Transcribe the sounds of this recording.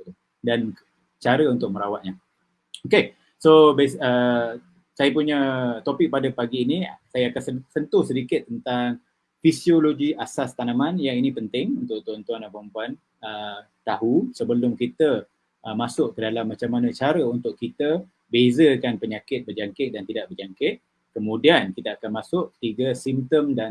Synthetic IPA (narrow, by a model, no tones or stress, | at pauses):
dan | t͡ʃaɾəunt̪ʊk̚mə̃ɾawat̪̚ɲa | oke | sobesə | sajapuɲət̪opɪk̚padəpaɡiːnisajaakansəsənt̪ʊhsəɾikɪt̪ːənt̪aŋ | fisioloɡiasast̪anãmanjainĩpənt̪ɪŋunt̪ʊʔt̪uant̪uanapəəmpuan | ə | t̪aɦusəbəlʊmkit̪ə | ʔəmasʊʔkədalamːat͡ʃamːanət͡ʃaɾəunt̪ʊʔkit̪ə | bezəkanpəɲakɪt̪̚bəd͡ʒaŋkɪt̪̚dant̪idaʔ̚bərd͡ʒaŋkɪt̪̚ | kəmũdiankit̪əakanmasʊʔ̚t̪iɡasimt̪əmda